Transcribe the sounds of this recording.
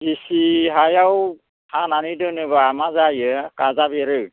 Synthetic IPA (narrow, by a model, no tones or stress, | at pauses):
ɡisiɦajaw | hananidɯnɯβaamazajɯkazabeɾɯw